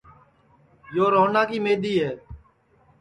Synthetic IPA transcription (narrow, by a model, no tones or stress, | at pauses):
joːɾoːnãːkiːmeːɗ̪iːɦɛː